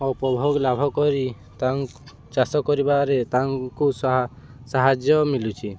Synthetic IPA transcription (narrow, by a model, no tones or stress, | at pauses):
ɔpɔbʱɔɡɔlabʱɔkɔɾi | t̪aŋ | t͡ʃasɔkɔɾibaɾet̪aŋkus | saɦad͡ʒjɔmilut͡ʃʰi